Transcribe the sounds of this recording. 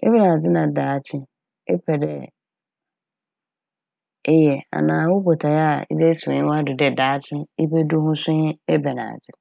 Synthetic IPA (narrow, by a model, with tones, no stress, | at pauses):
ɛ̰˦bɛ˦nãː˨d͡zɪ˦nã˨daː˨t͡ɕʰɪ̃˦ | ɛ̰˦pʰɛ˨dɛ˦ | ɪ˦jɛ˨a̰˨nãː˨˦wʊ˦bo˨tʰa˨ja˦˨ɪ̰˦dɛ˦sɪ̃˨ɲ̃˦wa˦dɪ˨dɛ˨daː˨˦t͡ɕʰɪ̃˦ɪ˦be˦du˦hʊ̃˦sɪ̃˦ɛ˦bɛ˨nã̰ː˨d͡zɪ˨